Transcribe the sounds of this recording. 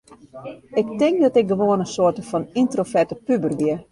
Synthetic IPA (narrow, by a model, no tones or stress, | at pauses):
ɪk̚tɪŋkdɔtɪk̚ɡəʋoənəsoərtəfɔnintrofɛrtəpybərʋɪə